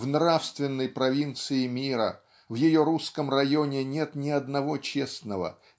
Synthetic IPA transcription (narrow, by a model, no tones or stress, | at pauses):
vnɾafst̪vʲɪnːəjpɾɐvʲint̪sɨɪmʲiɾə̰ | vjɪjo̞ɾuskəmrɐjonʲɪnʲet̪nʲɪɐd̪nɐvo̞t͡ɕesnəvə̰